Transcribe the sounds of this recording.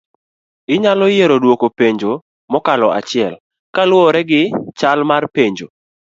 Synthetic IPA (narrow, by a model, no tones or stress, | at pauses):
ɪɲalɔjeɾodwokopeɲd͡ʒo | mɔkalɔa̰t͡ʃɪɛl | kalwɔɾɛɡɪt͡ʃalmarpeɲd͡ʒo